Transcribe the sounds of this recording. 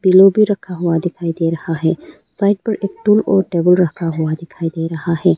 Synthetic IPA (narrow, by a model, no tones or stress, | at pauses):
bilobʱiɾɐkʰaɦʊad̪ɪkʰaːid̪eːɾɐhaɦɛː | saːɪʈ̚pɐɾeːk̚ʈulɔːɾʈeːbəlɾɐkʰaɦʊad̪ɪkʰaːid̪eːɾɐɦaɦɛː